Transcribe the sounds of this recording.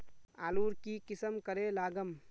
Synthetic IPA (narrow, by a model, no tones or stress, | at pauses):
a̰ːluːɾkikɪsəmkəɾelaːɡəm